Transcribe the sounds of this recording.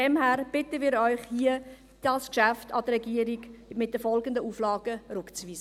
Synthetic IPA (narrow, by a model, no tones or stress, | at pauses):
d̥ɛmhæːɾb̥ɪtəmiːɾœʏχhiə | d̥ɑskʃæftɑd̥ərɛɡiəɾiɡ̥mɪt̚d̥̪əfɔlɡəndəuːflɑːɡəɾʉkt͡sviːsə